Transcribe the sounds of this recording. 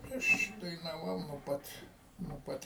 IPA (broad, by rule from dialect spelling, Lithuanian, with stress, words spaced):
ˈɐʃ dɐɪnɐˈʋɐʊ nuɔ ˈpɐt nuɔ ˈpɐt